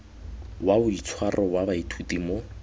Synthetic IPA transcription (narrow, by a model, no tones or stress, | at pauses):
waʊit͡sʰwarʔɔwabaitʰutimʊ